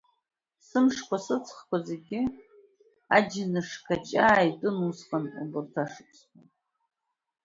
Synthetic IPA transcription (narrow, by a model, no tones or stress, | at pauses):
sɨmʂkʷasɨt͡sʰχkʷazeɡʲɪ | ad͡ʒɪnɨʂkʰat͡ʃʼaːjtʼɨnusqʼanʼubɨrtʰaʂɨpʰʼsχatʼ